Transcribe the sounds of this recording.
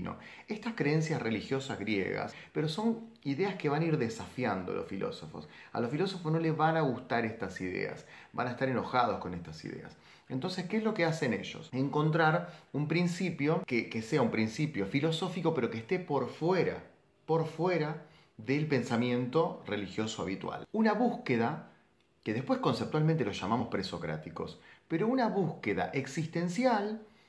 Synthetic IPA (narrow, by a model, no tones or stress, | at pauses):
no̰ | est̪askɾeens̬jasre̞lixjo̞sazɣɾjḛɣa̰speɾo̞so̞n | iðeaske̞βanaiɾðesafjand̪o̰losfilʔo̰so̞fo̞̰sa̰losfilo̞so̞fosno̞leβanaɣust̪aɾest̪asiðḛa̰sba̰naest̪aɾeno̞xað̞o̞sko̞nest̪asḭðḛa̰s | ent̪o̞nse̞skeezlokeasene̞̰ʒo̞̰seŋko̞nt̪̬ɾaɾumpɾinsipjo̞kekeseaumpɾinsipjo̞filo̞so̞fiko̞peɾo̞kest̪e̞po̞ɾfweɾa̰ | po̞ɾfweɾa | ðelpe̞nsamje̞nt̪o̞re̞lixjo̞soa̰βit̪wa̰lunaβuhkeða | keðepwe̞hko̞nsep̚t̪walment̪elosʃamamospɾeso̞kɾa̰t̪iko̞̰speɾo̞unaβuskeða̰ʔeksist̪e̞nsjal